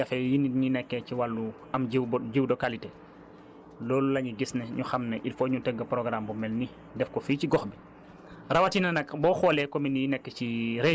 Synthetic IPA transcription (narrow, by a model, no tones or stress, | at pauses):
ɐfɛjiniɲinɛkːɛciwalːu | ɐmɟiwbɟiwdɔkalite | lɔːlulɐɲiɡisnɛɲuxɐmnɐʔilfɔːɲutɛɡːɐpɾɔɡɾambumɛlni | dɛfkɔficiɡɔxbi | rɐwɐtinɐnɐkbɔːxɔːlɛkɔminijinɛkːəciɾe